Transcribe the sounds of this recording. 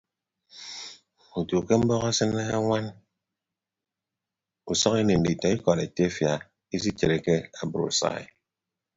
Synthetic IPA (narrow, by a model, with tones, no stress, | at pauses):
u˨to˨ke˦m̩˦bɔ˦ɣa˦sɨ˦ne˦a˦ŋʷa˦n | u˨sɔ˦ke˦ne˨n̩˨di˨tɔ˨i˦kɔ˨ɾe˨te˦fja˨ | i˦s̬i˦t͡ʃe˨ɾe˨ke˦a˨bu˨ɾṵ˨sa̰˦˨ḛ˨